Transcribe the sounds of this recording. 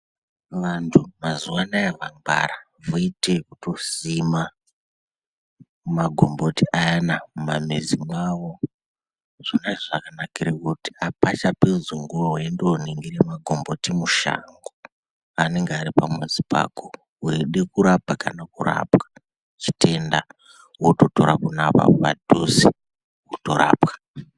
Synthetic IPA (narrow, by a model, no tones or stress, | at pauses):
ʋantʰumazuwanaeʋamba̰ɾa | voitekuto̞sima | maɡʱo̞mbotiʔajanamumamezimwawo | ʐ̥inaʐakanakiɾakuti̥apat͡ʃapezuŋɡuroɦwendooniŋɡiremaɡʱombo̞timuʃa̰ŋɡo | ane̞ŋɡeaɾipamwezipa̰ko | ɦeɗe̞kuɾabʱakanakura̰pwa | t͡ʃi̥tʰe̞nda | wototo̞ɾa̰kunapa̰a̰dʱosi | wotoɾa̰ːpkḁ